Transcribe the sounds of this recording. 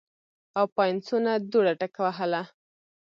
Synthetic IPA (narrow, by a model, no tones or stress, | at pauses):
awpajnsunad̪uɽaʈakawaɦəla